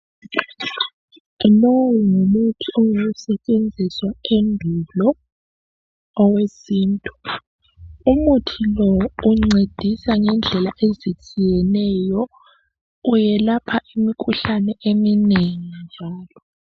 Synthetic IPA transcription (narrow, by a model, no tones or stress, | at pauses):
lɔwuŋumutʰiɔwusɛt͡ʃʼend͡zʱiswaendʱulɔ | wesiːntʼu̥ | umutʰilɔuŋ͡ǀed̥ʱisaŋɛnd͡ɮʱɛlaʔezit͡ʃʼijɛnɛjɔ | ujɛlapʰaʔimikʰuɬanɛʔemineŋind͡ʒʱaːlɔ